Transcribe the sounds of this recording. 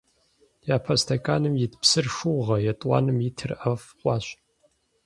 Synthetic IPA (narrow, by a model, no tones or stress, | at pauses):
jaːpʰɐstʰɐkʼaːnɨmjɪtʰpsɨrʂuʁɐjɛtʼwɑ̰ːnɨmjitʰɨrʔɐfqʷʼɑːɕ